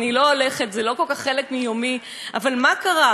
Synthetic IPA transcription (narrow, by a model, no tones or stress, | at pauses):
niloːle̞χet̪zelo̞ko̞lkaχːelekmijomi | ʔavalmakaʁa